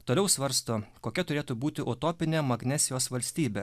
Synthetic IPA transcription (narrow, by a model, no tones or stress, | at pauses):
t̪oːlʲɛʊsʋɐɾst̪oːkoːkʲɛt̪ʊɾʲeːt̪uːbuːt̪ʲɪʔot̪oːpʲɪnʲeːmɐɡnʲɛsʲɪjoːsʋɐlʲsʲt̪ʲiːbʲe